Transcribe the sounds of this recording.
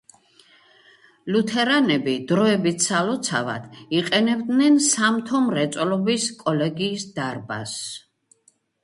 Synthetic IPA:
lut̪ʰɛɾanɛbid̪̥ɾɔɛbit̪salɔt̪sʰava̰d̪̥iqʼɛnɛbd̪nɛnsamt̪ʰɔmɾɛt̪sʼlɔbiskʼɔlɛɡiːsd̪aɾba̰s

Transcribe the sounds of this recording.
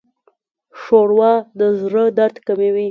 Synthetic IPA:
ʂoɽwɑd̪əzɾəd̪aɾt̪kamewi

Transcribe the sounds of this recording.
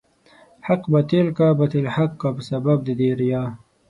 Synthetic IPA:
ħaqbɐt̪ilkabɐt̪ilħaqːabəsɐbɐb̚d̪id̪eːɾjaː

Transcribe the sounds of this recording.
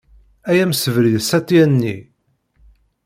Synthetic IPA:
æjæmsəvɾiðsæt̪ːiænːḭ

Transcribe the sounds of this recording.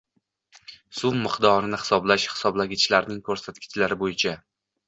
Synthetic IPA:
sʊmːɪqd̪ɒɾɪnɪhɪ̥sɒblaʃhɪ̥sɒblaɡʲɪt͡ʃʰlaɾnɪŋkʰɵɾsat̪̚kʲʰɪ̥t͡ʃʰlaɾɪbojɪt͡ʃʰa

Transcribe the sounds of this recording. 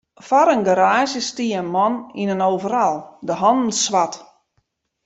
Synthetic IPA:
faɾənɡaɾaːʃjəstiːənmɔninənoːvəɾalˠdəɦɔndn̩sʋat

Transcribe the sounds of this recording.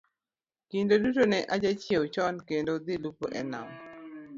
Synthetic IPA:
kindodutonɛʔad͡ʒat͡ʃjewt͡ʃɔnkendod̪ɪlupo̰ʔɛna̰m

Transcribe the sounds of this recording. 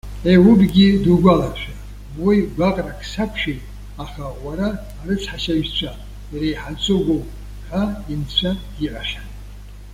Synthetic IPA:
ewubɡʲiduɡʷalaʃᶣa | wijɡʷaqʼrakʰsapʰʃi | aχawaɾaː | ɾɨt͡sʰħaʃaɥt͡ɕʷʰa | jɾejħat͡sʷʰʼoɡʷo | ħaint͡ɕʷʰa | iʔʼaʃʲan

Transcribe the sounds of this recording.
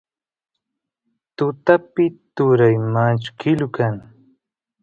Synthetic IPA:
t̪ʊt̪apɪt̪ʊɾajmat͡ʃkʰɪlkaŋ

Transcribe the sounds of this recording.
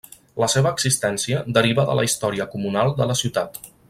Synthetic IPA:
ləseβəːɡz̥ist̪ɛnsiəd̪əɾiβəðə̰lə̰ist̪ɔɾiəkumunalˠd̪ələsiwt̪at̪

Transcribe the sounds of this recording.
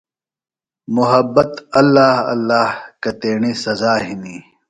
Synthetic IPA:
mʊɦɐbːɐt̪ɐlːaːhɐ̰lːaːhkɐt̪eːɳisɐzaːɦini

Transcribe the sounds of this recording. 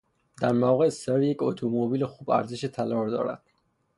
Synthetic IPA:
d̪æɾmaɣeseɾjecʰot̪ʰomobiːlexuːb̥æ̰ɾzeʃet̪ʰælɒːɾd̪ɒ̰ːɾæ̰d̪̥̚

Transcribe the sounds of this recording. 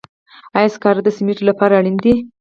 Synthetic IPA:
ajskɑɾd̪əsɪmiʈlapɑɾaɽind̪i

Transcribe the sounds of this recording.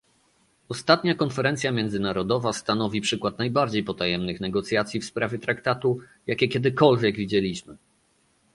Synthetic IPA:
ɔst̪at̪ɲakɔnfɛɾɛnt̪sʲjamʲjɛnd̪zɘnaɾɔd̪ɔvast̪anɔvʲipʂɘkwat̪najbaɾd͡ʑejpɔt̪ajɛmnɘxnɛɡɔt̪sʲjat̪sʲjifspɾavʲjɛt̪ɾakt̪at̪u | jakʲɛkʲɛd̪ɘkɔlvʲjɛɡvʲid͡ʑelʲiɕmɘ

